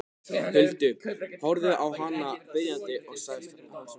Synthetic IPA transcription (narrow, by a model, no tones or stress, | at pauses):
hʏlt̪ʏhɔɾðɪʔawɦanːapɪɾjant̪ɪʔɔɣsaːɣɪst̪ʰanaas